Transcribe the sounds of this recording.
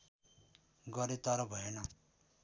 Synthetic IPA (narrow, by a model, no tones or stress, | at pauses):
ɡʌɾet̪ʌɾʌbʱʌenʌ